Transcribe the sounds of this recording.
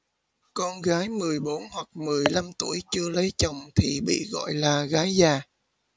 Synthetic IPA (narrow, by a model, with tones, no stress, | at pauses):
kɔ˧nɣaː˨˦jmɨ˨˩əjɓo˨˦nhwa˨˩k̚mɨ˨˩əjla˧mt̪u˧˩əjt͡ɕɨ˧ələ˨˦jt͡ɕə˨˩wŋ͡mt̪ʰi˨˩ɓḭ˧˨ɣɔ̰˧˨jlaː˨˩ɣaː˨˦jzaː˨˩